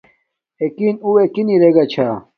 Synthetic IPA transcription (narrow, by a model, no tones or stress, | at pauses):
ekinuwekiniɾeɡat͡ɕʰa